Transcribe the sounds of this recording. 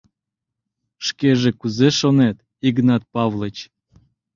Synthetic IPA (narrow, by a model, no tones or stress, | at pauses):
ʃkeʒekuzeʃonet̪ | iɡnɑt̪̚pɑvlˠət͡ɕ